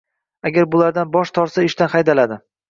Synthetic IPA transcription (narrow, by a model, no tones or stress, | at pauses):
aɡʲaɾbʊlaɾd̪anbɒʃt̪ʰɒɾsaɪʃt̪anχajd̪alad̪ɪ